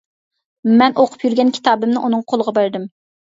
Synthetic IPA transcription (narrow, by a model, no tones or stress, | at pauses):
mɛnʔoqʰʊ̥pjyɾɡʲɛnkʲʰi̥t̪ʰɑːbɪmnɪʔunɨŋqʰolˠəʁɑbæɾd̪ɪm